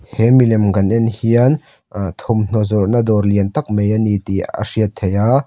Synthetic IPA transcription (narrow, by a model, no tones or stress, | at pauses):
hemilɛmɡɐnɪnhiən | t̪ʰɔmn̥ɔzɔrnɐd̪ɔrliənt̪ɐk̚mejanit̪ia̰siət̪ʰːejaː